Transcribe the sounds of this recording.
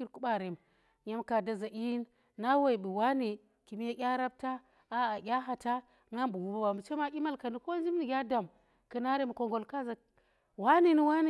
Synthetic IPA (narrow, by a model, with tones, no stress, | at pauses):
i˦ɾku˦ɓa˦ɾe˨m˨ | ja˦mka˨da˦˨za˨ʔi˦nː | a˦wa˨i˨bi˨wa˦ni˨ | ki˨mi˦ja˦kʲa˦ɾa˦b̚ta˦ | a˦a˨ɡʲa˦ɦa˨ta˦ | ŋa˦mbu˨wu˨ba˦ba˨mi˨t͡ʃe˦ma˦kʲi˦ma˦lka˨ni˨ko˦nd͡ʒi˦mni˨ɡʲa˦da˨m | kə˨na˦ɾe˦m˨ko˨ŋɡo˨lka˦za˨ | wa˦ni˦ni˦wa˦ni˨